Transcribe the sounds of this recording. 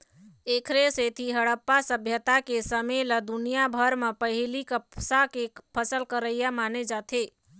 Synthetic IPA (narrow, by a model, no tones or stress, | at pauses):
ekʰɾeset̪ʰiɦəɽəpːasəbʱjət̪akesəmeləd̪unijabʱəɾmepəɦilikəpsakepʰəsəlkəɾəjamaned͡ʒat̪ʰe